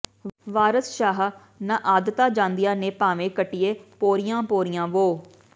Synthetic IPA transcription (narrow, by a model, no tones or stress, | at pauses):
ʋaːɾəsʃaːɦ | nãːʔaːd̪ət̪aːd͡ʒãːnd̪ijãːneːpaːʋẽːkəʈːɪjeːpoːɾɪjãːpoːɾɪjãːʋoː